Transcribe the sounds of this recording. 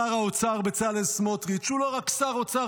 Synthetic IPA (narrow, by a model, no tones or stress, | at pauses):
aʁaot͡saʁbet͡salesmot̪ʁit͡ʃuloʁakːsaʁot͡sa